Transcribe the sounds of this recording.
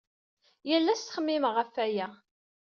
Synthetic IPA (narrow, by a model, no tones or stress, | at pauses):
jælːæst̪χəmːɪmʁəfæjæ